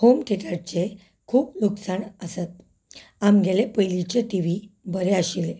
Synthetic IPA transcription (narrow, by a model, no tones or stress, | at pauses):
homʈʰekaɽt͡ɕe | kʰuːpluksaɳəsət̪̚ | amɡelepəjlit͡ɕeʈiʋibəɾeaɕile